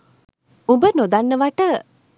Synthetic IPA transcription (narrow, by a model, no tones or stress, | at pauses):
ũbənod̪anːəʋaʈə